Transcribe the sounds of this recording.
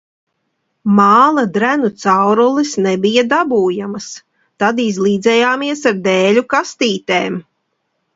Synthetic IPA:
maːlˠad̪ɾænut̪sawɾulˠisnɛbijad̪abuːjamas | t̪ad̪izlˠiːd̪zɛjaːmiɛsaɾd̪ɛːlʲukast̪iːt̪eːm

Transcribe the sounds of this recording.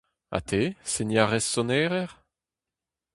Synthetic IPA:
a̰t̪ʰesenjaʁɛsːɔnɛːʁɛʁ

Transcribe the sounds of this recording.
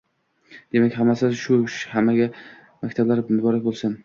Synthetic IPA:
d̪̥e̞makʲhamːasɪʃʊʃhamːaɡʲa | makʲt̪ʰablaɾmʊbɒɾak̚ʲbolˠsan

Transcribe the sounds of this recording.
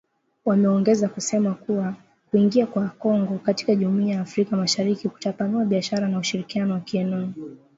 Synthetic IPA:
wamɛɔŋɡɛzakusɛmakuwa | kuiŋɡiakwakɔŋɡɔkati̥kaʄumuiajaːfɾikamaʃaɾikiku̥tapanuaɓiaʃaɾanauʃiɾikianɔwakiɛnɔɔ

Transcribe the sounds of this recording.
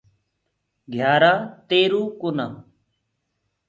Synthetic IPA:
ɡʱjaːɾaːt̪eːɾuːkonaː

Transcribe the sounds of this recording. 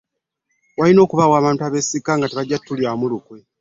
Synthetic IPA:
walino̞ːkuβawaːβaːntuaːβe̞ːsikaŋɡateβaɟːatːuljaːmulukwe̞

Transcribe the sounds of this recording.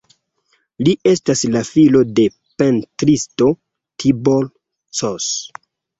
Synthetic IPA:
liʔe̞staslafilo̞de̞ | pentɾisto̞ | tʰibol | sos

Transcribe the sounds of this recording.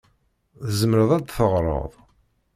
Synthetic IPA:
ðzəmɾəðˤæd̪θəʁɾˤə̰ðˤ

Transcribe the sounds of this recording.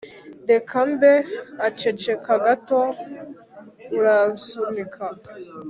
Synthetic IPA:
dekʰambeat͡ʃet͡ʃekaɡato | uɾasumikʰa

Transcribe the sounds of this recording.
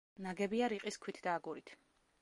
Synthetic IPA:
naɡɛbiaɾiqʼiskʰwit̪ʰd̪aːɡuɾit̪ʰ

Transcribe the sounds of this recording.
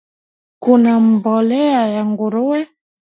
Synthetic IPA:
kunam̩bɔlɛajaŋɡuɾuwɛ

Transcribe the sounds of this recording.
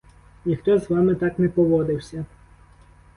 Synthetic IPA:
nʲixt̪ɔzʋɑmɪt̪ɑknɛpɔʋɔd̪ɪwsʲɐ

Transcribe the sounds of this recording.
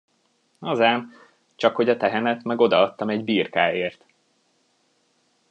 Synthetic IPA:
ɒzaːm | t͡ʃɒkho̞ɟɒt̪ɛɦɛnɛt̪mɛɡo̞d̪ɒɒt̪ːɒmɛɟbiːrkaːeːrt̪

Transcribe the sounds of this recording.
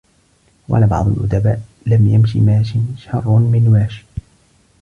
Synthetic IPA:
wʔa̰labɑ̰ʕd̪ˤʊ̰lʔʊ̰d̪abaːʔ | lamjamʃḭmaːʃɪnʃɑrˤːmɪnwaːʃ

